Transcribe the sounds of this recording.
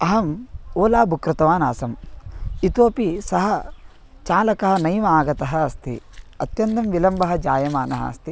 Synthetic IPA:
ɐɦɐmoːlaːbukɾut̪ɐʋaːna̰ːsɐmit̪oːpisɐɦɐ | t͡ʃaːlɐkɐɦɐ̆nɐjmaːɡɐt̪ɐɦɐːst̪ḭɐ̰t̪jɐnt̪ɐmʋilɐmbɐɦɐ̆d͡ʒaːjɐmaːnɐɦɐ̰ɐ̰st̪i

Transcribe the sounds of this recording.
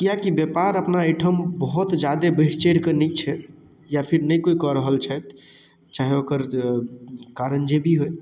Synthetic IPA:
kiakibjepaɾəpnaeʈʰəmbəɦɔt̪d͡ʒad̪ebəɦt͡ʃeɽkənit͡ʃʰɛ | japʰiɾnəjkoikɔɾəɦəlt͡ʃʰɛt̪ | t͡ʃaɦeokəɾ | kaɾənd͡ʒebʱiɦoj

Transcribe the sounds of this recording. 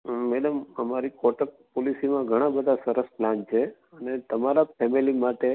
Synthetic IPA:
mɛɖəməmaɾikɔʈək̚ | polisimãɡʱəɽ̃ãbəd̪ʱasəɾəsplãnt͡ʃʰe | ənet̪əmaɾapʰɛmilimaʈe

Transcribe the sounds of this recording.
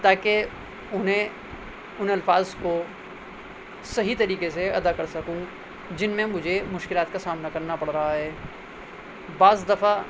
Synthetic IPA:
t̪aːke | ʊnɦẽ | ʊnɐlfaːzko | sɐɦit̪ɐɾiːkes̬eɐd̪akɐɾsɐkũ | d͡ʒɪnmẽmʊd͡ʒʱemʊʃkɪlaːt̪̚kasaːmnakɐɾnapɐɽɾɐɦaɦɛː | baːzd̪ɐfa

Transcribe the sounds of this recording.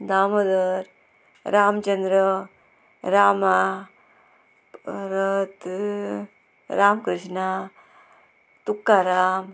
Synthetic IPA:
d̪aːmɐd̪ɐɾ | ɾaːmt͡ʃɐnd̪ɾə | ɾaːma | ɾɐt̪ | ɾaːmkɾɨʂɳa | t̪ukːaːɾaːm

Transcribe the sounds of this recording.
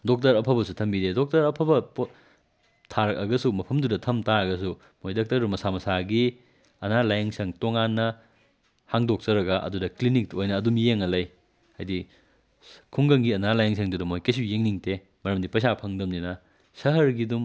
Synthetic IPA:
dok̚tɐɾɐpʰɐbɐsutʰɐmbidedok̚tɐɾɐpʰɐbɐp | tʰaɾɐkɐɡɐsumɐpʰɐmdudɐtʰɐmtaɐɡɐs̬u | mojdok̚tɐɾumɐsamɐsaɡi | ɐnalajɐŋsɐŋtoŋanːɐ | haŋdok̚sɐɾɐɡɐʔɐ̰dudɐklinik̚tojnɐːdumjeŋɐlɐj | hajdi | kʰuŋɡɐŋɡiɐnalajɐŋsʰɐŋdudɐmojkɐjs̬ujeŋniŋte | mɐɾɐmdipɐs̬apʰɐŋdɐmdinɐ | sɐɦɐɾɡidum

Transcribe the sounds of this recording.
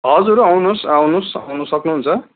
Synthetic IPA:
ɦʌd͡zuɾawnusawnusawnusʌknuɦunt͡sʰʌ

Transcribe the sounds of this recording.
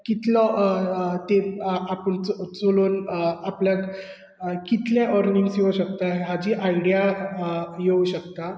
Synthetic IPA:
kit̪lɔ | t̪eapənt͡st͡soloːnapljak | kit̪ljaʔɔɾniŋɡsjeuɕək̚t̪aɦeɦad͡ʑiːʔaiɽija | jeuɕəkt̪a

